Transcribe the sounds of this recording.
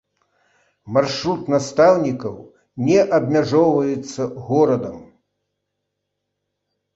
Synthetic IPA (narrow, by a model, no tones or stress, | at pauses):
marʂɾut̪nast̪awnʲikɐw | nʲɛʔɐbʲmʲaʐɔwvɐjɛt̪sːɐɣɔɾɐd̪ɐm